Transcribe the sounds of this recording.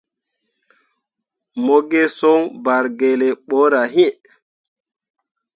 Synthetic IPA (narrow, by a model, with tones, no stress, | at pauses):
mɔ˦ɡɛ˦sɔ˦nba˨ɾɡɛ˨lɛ˨ɓɔ˦ɾa˨ɦi˦